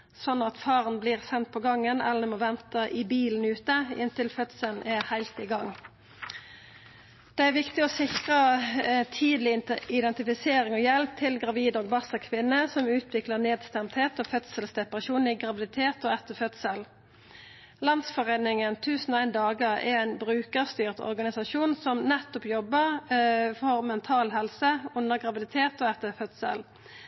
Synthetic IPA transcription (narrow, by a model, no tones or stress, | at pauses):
sɔnːɑt̪fɑːʁənbliːʁsɛnt̪̚pʰɔɡɑŋːənɛ̰ləmoːʋɛnt̪əʔɪbiːln̩ʉːt̪əɪnt̪ɪlfœt̪səlnʔɛhæɪlt̪ɪɡɑŋ | d̪̥ɛæʋɪkt̪ɪɔosɪkʁət̪ʰiːd̪lɪɪd̪ɛnt̪ɪfɪseːɾɪŋoːjɛlp̚t̪ʰɪlɡʁɑʋiːd̪oːɡbɑsəkʰʋɪnːəsɔmʉːt̪ʰʋɪkləʁneːd̪st̪ɛmt̪heːt̪oːfœt̪səlsd̪ɛpɑʁɑʃuːnɪɡʁɑʋɪd̪ɪt̪ʰeːt̪ɔɛt̪ːəfœt̪səl | lɑnsfɔʁeːnɪŋənt̪ʰʉːsnɔæɪnd̪ɑːɡəʁɛ̰æɪnbɾʉːkəʁst̪yːʁt̪ɔ̰ʁɡɑnɪsɑʃuːnsɔmnɛt̪ːɔpjɔbːəʁfɔʁmɛnt̪ʰɑːlɦɛlsəʊnːəʁɡʁɑʋɪd̪ɪt̪ʰeːt̪ɔːɛt̪ːəfœt̪sə̰l